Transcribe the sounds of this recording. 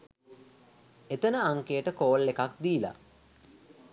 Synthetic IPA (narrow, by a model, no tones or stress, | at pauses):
et̪ənəaŋkejəʈəkoːlːekak̚d̪iːla̰